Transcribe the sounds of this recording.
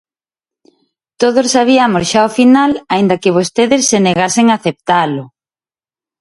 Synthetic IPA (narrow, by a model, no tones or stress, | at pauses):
t̪oðossːaβ̞iɐmosʃaofinalaind̪ɐkɪβ̞ost̪eðɪsːeneɣaseŋaθep̚t̪alʊ